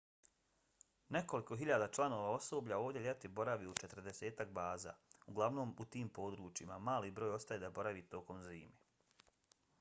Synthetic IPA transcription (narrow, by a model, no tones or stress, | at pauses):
ne̞ko̞liko̞ɦiʎad̪at͡ʃlˠano̞ːʋao̞so̞ːbʎao̞ːʋd̪jeʎet̪ibo̞ɾaʋiut͡ʃe̞t̪ɾr̩d̪ese̞ːt̪ak̚baːza̰ːuɡlˠaʋno̞ːmut̪iːmpo̞ːd̪ɾuːt͡ʃimamaːlibɾo̞ːjo̞st̪ajed̪abo̞ɾaʋit̪o̞ko̞mziːme